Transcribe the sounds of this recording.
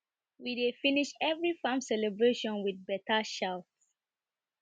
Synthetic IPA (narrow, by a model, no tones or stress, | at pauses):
widefiniʃɛvɹifãmsɛlɛbɹeʃɔ̃nwiðbɛtʰaʃalts